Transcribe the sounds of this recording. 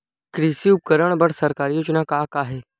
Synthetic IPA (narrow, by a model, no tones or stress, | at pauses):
kɾiːsiʊp̚kəɾəɽ̃bɐɽsɐɾkaːɾijoːd͡ʒnakaːkaːɦeː